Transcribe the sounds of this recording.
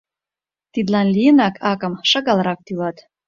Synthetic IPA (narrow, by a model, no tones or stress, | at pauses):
t̪id̪lɑnlʲijənɑkʰɑkɤ̆mʃɑɣɑlɾɑk̚t̪ylɑt̪